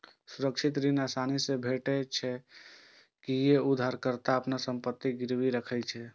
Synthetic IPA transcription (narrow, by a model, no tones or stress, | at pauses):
suɾəkt͡ʃʰit̪ɾinasanisẽbʱeʈɛt͡ʃʰɛ | kijeud̪ʱaɾkəɾt̪aəpnasəmpət̪ːiɡiɾwiɾəkʰɛt͡ʃʰɛ